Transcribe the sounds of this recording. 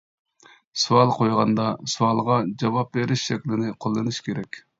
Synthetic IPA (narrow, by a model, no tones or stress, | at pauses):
suɑlˠqʰojʁɑnd̪ɑsuɑlˠʁɑd͡ʒɑwɑp̚beɾɪʃʃɛkʲlɪnɪqʰolˠːɨnɨʃkʲʰeɾɛkʲ